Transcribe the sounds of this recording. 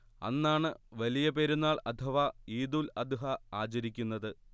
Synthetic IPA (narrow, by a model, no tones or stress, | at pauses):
ɐ̰nːaːɳɨʋɐlijɐpe̞ːɾunːaːɭɐt̪ʰɐʋɐiːd̪uːlɐd̪uɦɐaːt͡ɕɐɾikʲːunːɐðɨ